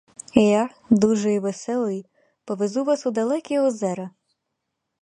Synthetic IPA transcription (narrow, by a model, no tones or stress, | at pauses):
ija | d̪uʒɛjiʋesɛlˠɔji | pɔʋezuʋasud̪ɐlˠɛkʲiɔzɛɾɐ